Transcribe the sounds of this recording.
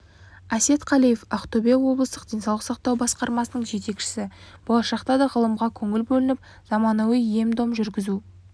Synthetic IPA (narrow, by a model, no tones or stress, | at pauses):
æse̞t̪qʰɑlijefɑqt̪obewo̞blˠəst̪əqd̪̥e̞jnsɑwlˠəqsɑq̚t̪ɑwbɑsqɑɾmɑsənəɴʒe̞t̪e̞kʃɪ̥sɪb̥o̞lˠɑʃɑqt̪ɑd̪ɑʁəlˠəmʁɑkʲʰɵŋɪlbɵlɪnɪp̚ | z̥ɑmɑnɑwije̞md̪o̞mʒʏɾɡʲɪzu